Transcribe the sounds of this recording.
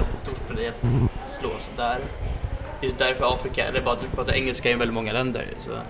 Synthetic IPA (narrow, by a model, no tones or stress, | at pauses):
st̪st̪uːʈfəd̪ɛɛt̪slo̰ːsɔd̪æːɾ | jʉsd̪æɾfœɾɑːfɾɪkaɛ̰lːəbɑːɾad̪ʉpʰɾɑːt̪ːaɾʔɛŋːəlskaɪnvɛld̪ɪmɔŋːəlɛnd̪ə̰ɾsɔ̰